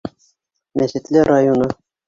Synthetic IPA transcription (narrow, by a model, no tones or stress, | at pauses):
mæsɪ̆t̪lɘɾajonɤ